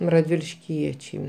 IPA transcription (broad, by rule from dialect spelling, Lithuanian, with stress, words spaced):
rɐdʲʋʲɪlʲɪʃʲˈkʲiɛt͡ʃʲɛɪ